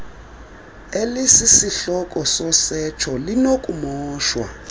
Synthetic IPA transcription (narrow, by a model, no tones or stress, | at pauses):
elisisiɬɔkʼɔsɔsɛt͡ʃʰɔlinokʼumɔːʃwa̰